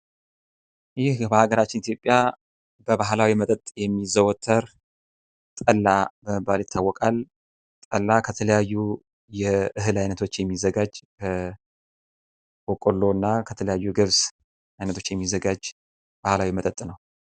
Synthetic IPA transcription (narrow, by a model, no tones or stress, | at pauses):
jɪhbəhaɡəɾat͡ʃːɪnit̪jo̞pʼːja | b̥əβaɦlawimət̪ʼət̪ʼjɛmːizəwɔt̪ʰːəɾ | t̪ʼəlːabəməbːaljɪt̪ʰːawːɔkʼal | t̪ʼəlːakʰət̪ʰələjajːu | jɛɨɦɨlajnət̪ʰo̞t͡ʃːjɛmːizːəɡad͡ʒkʰə | wɔkʼolːo̞nːakʰət̪ʰələjajːuɡɨβs | ajnət̪ʰo̞t͡ʃːjɛmːizːəɡad͡ʒ | b̥ahlawimət̪ʼət̪ʼnəw